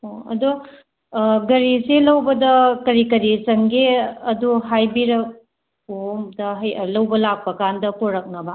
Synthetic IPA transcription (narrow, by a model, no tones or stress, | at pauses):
oɐ̰du | ɡɐɾiselɐwbɐdɐkɐɾikɐɾit͡ʃɐŋɡeɐduɦajbiɾɐk̚ | omdɐɦɐjɐlɐwbɐlak̚pɐkandɐpoɾɐk̚nɐbɐ